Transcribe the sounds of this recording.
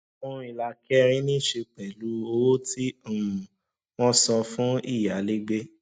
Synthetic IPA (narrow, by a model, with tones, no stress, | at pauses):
fũ˦i˧˨la˧kɛ˦ɾ̃ĩ˦nĩ˦˨ʃe˧k͡pɛ˨lu˨˦o˧wo˦tĩ˦˨ | w̃ɔ̃˦sɔ˧fũ˦i˦˨ja˨˦le˦ɡ͡be˦